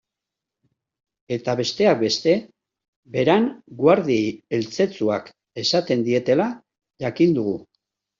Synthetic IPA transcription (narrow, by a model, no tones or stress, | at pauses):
e̞t̪aβe̞st̪e̞ak̚be̞st̪e̞ | be̞ɾaŋɡwaɾðiejelt͡se̞t͡suak | e̞sat̪e̞nd̪ie̞t̪e̞la | ʝakind̪uɣu